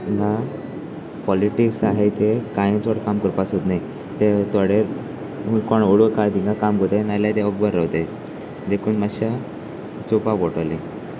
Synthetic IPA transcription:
iŋɡa | pɔliʈiksaɦet̪ekajĩnt͡sɔɽkamkəɾpasot̪nai | t̪et̪ɔɽeɾ | ɦũkɔɳoɽəkaɾd̪ĩŋɡakamɡʱot̪enaljat̪eɔɡ̚bəɾːaʋwt̪e | d̪ekʰuːnmaɕa | t͡supakɔʈalẽ

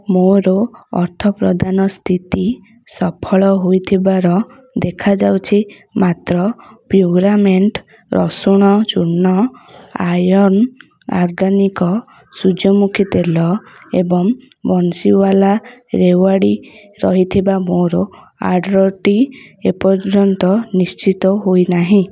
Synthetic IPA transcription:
moɾɔɔ̰ɾt̪ʰɔpɾɔd̪ʱanɔst̪ʰit̪i | sɔpʰɔɭɔɦojt̪ʰibaɾɔ | d̪ekʰad͡ʒawt͡ʃʰi | mat̪ɾɔpɾuɡɾameɳʈ | ɾɔsuɽ̃ɔt͡ʃuɾɳnɔajɔn | ɔ̰ɾɡanikɔ | sud͡ʒɔmukʰit̪elɔḛbɔŋ | bɔnsiwalaɾewaɽi | ɾɔɦit̪ʰibamoɾɔ | a̰ɖɾɔʈiepɔɾd͡ʒɾɔnt̪ɔnist͡ʃit̪ɔɦojnaɦĩ

